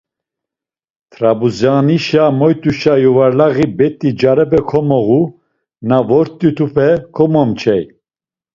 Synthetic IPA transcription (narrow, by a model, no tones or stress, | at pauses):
t̪ʰɾabuzjaniʃamɔjt̪ʼuʃajuvaɾlaɣibɛt̪ʼid͡ʒaɾɛbɛkʰɔmɔɣu | navɔɾt̪ʼːit̪ʰupʰɛkʰɔmɔmt͡ʃʰɛj